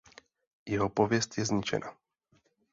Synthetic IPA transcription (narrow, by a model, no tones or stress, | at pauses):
jɛɦopovjɛst̪jɛzɲɪt͡ʃɛ̰na